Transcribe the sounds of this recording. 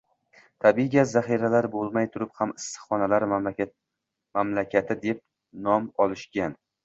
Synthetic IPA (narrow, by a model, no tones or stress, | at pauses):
t̪ʰabiɡʲazaχiɾalaɾbolˠmajt̪ʰʊɾɪphamɪsːɨ̥χɒnalaɾ | mamlakʲat̪ʰɪd̪ep̚ | nɒmɒlˠɪʃɡʲan